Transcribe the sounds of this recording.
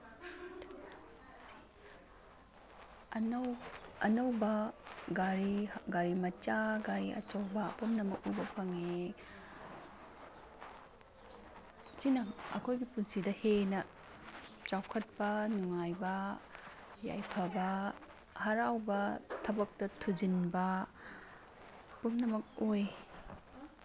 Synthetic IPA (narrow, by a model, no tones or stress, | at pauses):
ɐnɐwɐnɐwbɐɡaɾiɡaɾimɐt͡ʃaɡaɾiʔɐ̰t͡ʃɐwbɐ̰ːpʰɐmnɐmɐkubɐpʰɐŋe | t͡ʃinɐɐ̰kʰojɡipunsidɐhenɐ | t͡ʃawkʰɐt̚pɐnuŋajbɐ | ja̰jpʰɐbɐ | hɐɾawbɐtʰɐbɐk̚tɐtʰud͡ʒinbɐ | pumnɐmɐk̚oj